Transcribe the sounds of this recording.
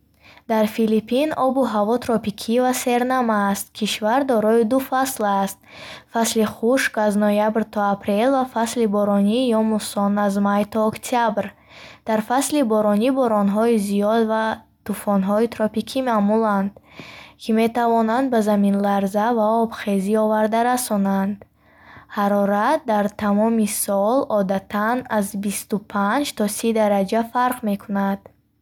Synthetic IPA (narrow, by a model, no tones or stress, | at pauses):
d̪aɾfilipʰinɔbuɦavɔt̪ʰɾɔpikʰivase̞ɾnamaːst̪̚kʰiʃvaɾd̪ɔɾɔid̪ufaslast̪̚fasliχuʃkaznɔjabɾt̪ʰɔapʰɾe̞lvafaslibɔɾɔnijɔmusɔnazmajt̪ʰɔːkt̪ʰiabɾ | d̪̥aɾfaslibɔɾɔnibɔɾɔnɦɔiziɔd̪va | t̪ufɔnɦɔit̪ɾɔpikʰimamuland̪kʰime̞t̪avɔnand̪̚bazaminlaɾzavaɔbχe̞ziɔvaɾd̪aɾasɔnand̪ | haɾɔɾat̪̚d̪aɾt̪ʰamɔmisɔlɔd̪at̪ʰanazbist̪upʰand͡ʒt̪ʰɔsid̪aɾad͡ʒafaɾqme̞kʰunad̪̥